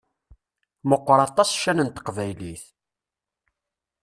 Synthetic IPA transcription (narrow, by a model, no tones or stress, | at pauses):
məqʷːɾˤɑt̪ˤɑsʃːænənt̪ə̥qvæjliθ